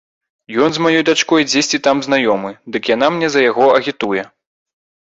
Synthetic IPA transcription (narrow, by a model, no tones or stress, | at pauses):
jɔnzmajɔjd̪at͡ʂkɔjd͡zʲesʲt͡sʲit̪amzn̪ajɔmɨd̪ɨkjan̪amnʲɛzɐjaɣɔɐɣʲit̪ujɛ